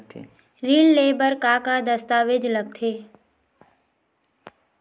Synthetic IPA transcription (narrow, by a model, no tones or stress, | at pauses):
ɾiːlleːbəɾkaːkad̪əst̪aːʋed͡ʒləɡ̚t̪ʰeː